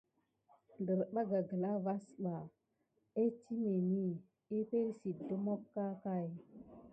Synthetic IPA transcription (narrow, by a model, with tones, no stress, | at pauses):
ndə˨ɾɓa˦ɡa˨ɡə˨la˦va˦sɓa˨ | e˦ti˦me˨ni˦ | e˦pe˦ɾsi˨də˦mo˦kːa˦ka˦˨j